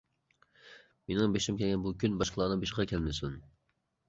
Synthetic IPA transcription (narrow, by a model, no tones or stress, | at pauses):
menɪŋbeʃimkʲʰɛlɡʲɛnbukʲʰynbɑʃqʰlˠɑːnɨbeʃʁɑkʲʰɛlmɪsun